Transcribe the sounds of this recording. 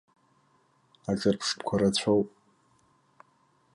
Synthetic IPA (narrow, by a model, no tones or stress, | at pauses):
aʈ͡ʂʼɨrpʰʂpʰkʷʰaɾat͡ɕʷʰowpʼ